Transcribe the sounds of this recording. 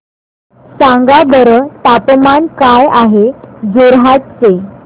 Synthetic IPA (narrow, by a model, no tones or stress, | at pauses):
sãŋɡabəɾət̪apmankajaɦed͡zoɾɦat̪̚t͡se